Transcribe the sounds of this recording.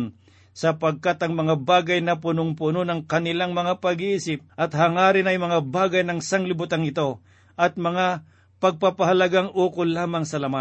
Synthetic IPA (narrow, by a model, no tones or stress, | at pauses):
n | sɐpɐɡ̚kat̪ɐŋmɐŋabaːɡɐjnɐpʊnʊŋpʊnonɐŋkɐnɪlaŋmɐŋapɐɡiʔiːsɪp̚ʔɐt̪̚haŋaːɾɪnɐjmɐŋabaːɡɐjnɐŋsaŋlɪbʊt̪aŋɪt̪o̞ | ʔɐt̪̚mɐŋa | pɐɡ̚papɐhɐlɐɡaŋʔuːkʊllːaːmɐŋsɐlama